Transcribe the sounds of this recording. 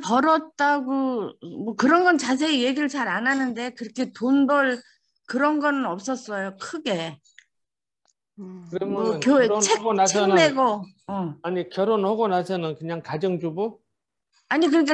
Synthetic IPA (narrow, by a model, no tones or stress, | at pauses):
pʌɾʌt̚t͈aɡomwʌkɯɾʌnɡʌnt͡ɕas̬ʰe̞eje̞ɡiɾɯɭt͡ɕaɾananɯnde̞kɯɾʌkʰe̞tonbʌɭ | kɯɾʌnɡʌnɯnʌp̚s͈ʌs͈ʌjokʰɯɡe̞ | kɯɾʌmʌkjoeeɡonasʰemeɡo | ʌaɲikjʌɾonhoɡonasʰʌnɯnkɯɲaŋkad͡ʑʌŋd͡ʑubu | aɲik̬ɯɲik̬͈a